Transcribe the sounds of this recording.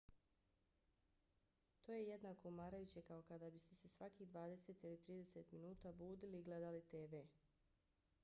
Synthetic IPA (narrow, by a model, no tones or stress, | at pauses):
t̪o̞ːjeje̞d̪naːko̞umaːɾajut͡ɕe̞kao̞kad̪abist̪ese̞sʋakiːd̪ʋaːd̪e̞se̞t̪ilit̪ɾiːd̪e̞se̞t̪minuːt̪abuːd̪iliːɡle̞d̪alit̪eːʋe̞ː